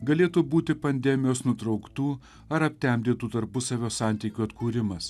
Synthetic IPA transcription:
ɡɐlʲeːt̪uːbuːt̪ʲɪpɐnʲd̪ʲɛmʲɪjoːsnʊt̪ɾɒʊkt̪uː | ɐɾɐpʲt̪ʲɛmʲbʲd̪ʲeːt̪uːt̪ɐɾpʊsɐʋʲoːsɑˑnʲt̪ʲiːkʲuːɐt̪kuːɾʲɪmɐs

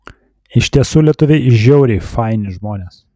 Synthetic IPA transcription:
ɪʃʲt̪ʲiɛsuːlʲiɛt̪ʊʋʲɛɪʒʲɛʊɾʲɛfɑɪnʲɪʒmoːnʲeːs

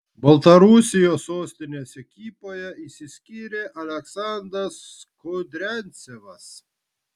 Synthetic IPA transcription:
bɐlˠt̪ɐɾusʲɪjoːsoːsʲt̪ʲɪnʲeːsɛkʲiːpoːjɛisʲɪsʲkʲiːɾʲeːʔɐlʲɛksɑˑnd̪ɾɐs | kʊd̪ʲɾʲɛnʲt̪sʲeʋɐs

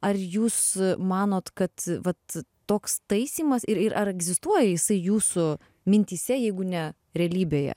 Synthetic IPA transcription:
ɐrjuːsmɑːnoːt̪kɐt̪ʋɐt̪ː | oːkst̪ɐɪsʲiːmɐsɪɾɪɾʔɐɾɛɡzʲɪst̪uɔjɛjɪsɐɪjuːsʊ | mʲɪnʲt̪ʲiːsʲɛjɛɪɡʊnʲɛ | ɾʲɛɐlʲiːbʲeːjɛ̰

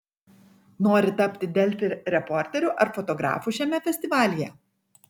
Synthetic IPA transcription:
noːɾʲɪt̪ɐpʲt̪ʲɪd̪ʲɛlʲfʲɪɾɾʲɛpɔɾʲt̪ʲɛɾʲʊʔɐɾfɔt̪ɔɡɾɑ̰ːfʊʃʲɛmʲɛfʲɛsʲt̪ʲɪʋɑːlʲɪjɛ

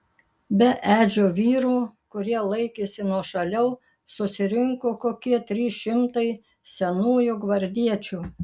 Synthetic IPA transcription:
bʲɛʔæːd͡ʒʲoːʋʲiːɾuːkʊɾʲiɛlˠɐɪkʲesʲɪnuɔʃɐlʲɛʊ | sʊsʲɪɾʲɪŋkoːkoːkʲiɛt̪ʲɾʲiːʃʲɪmt̪ɐɪ | sʲɛnuːjʊɡʋɐɾʲd̪ʲiɛt͡ʃʲuː

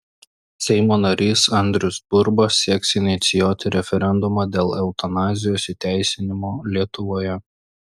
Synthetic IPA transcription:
sʲɛɪmoːnɐɾʲiːsɐnʲd̪ʲɾʲʊsbʊɾbɐssʲiɛksɪnʲɪt̪sʲɪjoːt̪ʲɪɾʲɛfʲɛɾʲɛnd̪ʊmɑːd̪ʲeːlˠɛʊt̪ɐnɑːzʲɪjoːsit̪ʲæˑɪsʲɪnʲɪmoːlʲiɛt̪ʊʋoːjɛ

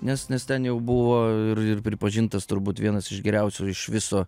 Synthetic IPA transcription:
nʲɛsnʲɛst̪ʲɛnjɛʊbʊʋoːɪɾɪrpʲɾʲɪpɐʒʲɪnt̪ɐst̪ʊɾbuːt̪ʋʲiɛnɐsɪʃɡʲɛɾʲɛʊsʲuːɪʃʋʲɪsoː

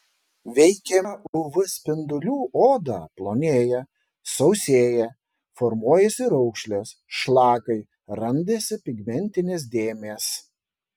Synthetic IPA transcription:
ʋʲɛɪkʲɛʊʋʊsʲpʲɪnd̪ʊlʲuːʔoːd̪ɑːplˠoːnʲeːjɛ | sɔʊsʲeːjɛ | fɔɾmuɔjɛsʲɪɾɔʊkʃʲlʲeːsʃlˠɑːkɐɪ | ɾɐnʲd̪ʲeːsʲɪpʲɪɡʲmʲɛnʲt̪ʲɪnʲeːs̬d̪ʲeːmʲeːs

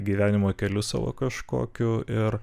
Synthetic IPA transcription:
ɡʲiːʋʲæːnʲɪmoːkʲɛlʲʊsɑ̰ːʋo̰ːkɐʃko̰ːkʲʊʔɪr

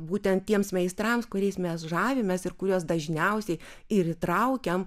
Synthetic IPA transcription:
buːt̪ʲɛnt̪̚tʲiɛmsmʲɛɪst̪ɾɐmskʊɾʲɛɪsmʲɛsʒɑːʋʲemʲɛsɪɾkʊɾʲuːsd̪ɐʒʲnʲɛʊsʲɛɪ | ɪɾɪt̪ɾɐʊkʲɛm

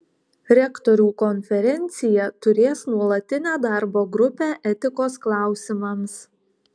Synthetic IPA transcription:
ɾʲɛkt̪ɔɾʲuːkɔnʲfʲɛɾʲɛnʲt̪sʲɪjɛt̪ʊɾʲeːsnuɔlˠɐt̪ʲɪnʲæːd̪ɑˑɾboːɡɾʊpʲæːʔɛt̪ʲɪkoːsklˠɑˑʊsʲɪmɐms

